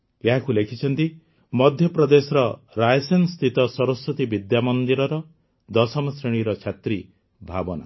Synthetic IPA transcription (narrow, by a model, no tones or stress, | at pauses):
eɦakulekʰit͡ʃʰɔnt̪i | mɔd̪ʱjɔpɾɔd̪esɔɾɔ | ɾajɔsenst̪ʰit̪ɔsɔɾɔsːut̪ibid̪jamɔnd̪iɾɔɾɔ | d̪ɔsɔmɔsɾeɽ̃iɾɔt͡ʃʰat̪ɾi | bʱabɔna̰